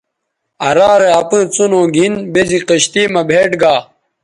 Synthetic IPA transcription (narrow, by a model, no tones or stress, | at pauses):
ɐɾaːɾeɐpĩːt͡sunõːɡʱinbeziqiɕt̪iːmɐbʱeːʈɡaː